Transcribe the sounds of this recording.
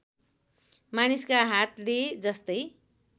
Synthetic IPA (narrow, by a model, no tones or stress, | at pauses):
maniskaɦat̪led͡zʌst̪ʌj